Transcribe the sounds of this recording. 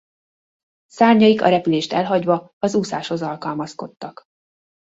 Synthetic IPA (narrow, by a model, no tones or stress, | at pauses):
saːrɲɒikɒ̰ɾɛpyleːʃt̪ɛlɦɒɟvɒ | ɒzusaːʃho̞zɒlkɒlmɒsko̞t̪ːɒk